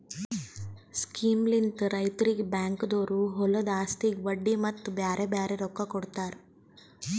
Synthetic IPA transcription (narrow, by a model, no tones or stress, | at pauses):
skiːmlint̪ɾɐjt̪ɐɾikbaːŋkd̪oːɾuɦɔlɐd̪aːst̪iɡʋɐɖːimɐt̪ːubjaːɾʔebjaːɾeɾɔkːɐkːɔɽt̪aːɾ